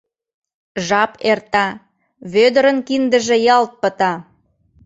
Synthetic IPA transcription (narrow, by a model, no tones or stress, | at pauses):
ʒɑpert̪ɑ | βød̪əɾənkind̪ə̆ʒĕjɑlt̪̚pə̆t̪ɑ